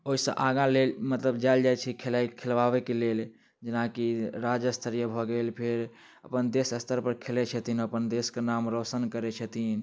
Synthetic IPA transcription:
oɦisə̰̃ʔaɡãlelmət̪ləbd͡ʒald͡ʒajt͡ʃʰikʰelaikʰelʋabekelel | d͡ʒənakiɾad͡ʒəst̪ʰəɾijəbʱɔɡelpʰeɾ | əpənd̪esəst̪ʰəɾpəɾkʰelɛt͡ʃʰət̪ʰinəpənd̪eskenamɾosənkəɾɛt͡ʃʰət̪ʰin

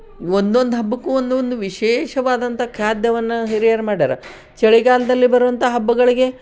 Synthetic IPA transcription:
ond̪o̞nd̪uɦɐbːɐkːuond̪ond̪uʋiʃeːʃɐʋaːd̪ɐnt̪ɐkʰjaːd̪jɐʋɐnːɐɦiɾijɐɾɐmaːɽaːɾɐ | t͡ʃeɭiɡaːlɐd̪ɐlːibɐɾuʋɐnt̪ɐɦɐbːuɡɐɭiɡe̞

